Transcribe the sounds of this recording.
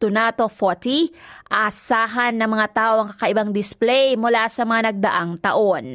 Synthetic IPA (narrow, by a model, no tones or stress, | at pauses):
t̪ʊnat̪o̞fot̪iʔaːsaːɦɐnːɐŋmɐŋat̪aːʔo̞ɐŋkɐkɐʔɪbaŋd̪ɪsplɛjmʊlasɐmɐŋanɐɡ̚d̪ɐʔaŋt̪ɐʔo̞n